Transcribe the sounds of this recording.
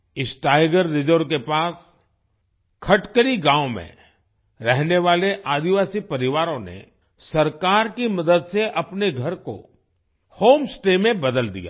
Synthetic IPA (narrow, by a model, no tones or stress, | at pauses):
ɪsʈaːɪɡəɾːɪd͡ʒəɾk̬epaːs | kʰɐʈkəɾiɡãːõmḛ̃ | ɾɛɦneʋaːleʔaːd̪iʋaːsipɐɾɪʋaːɾõnḛ | sɐɾkaːɾkimɐd̪əd̪seʔɐpneɡʱɐɾko̰ | hoːmsʈemẽbɐd̪əld̪ḭja̰ː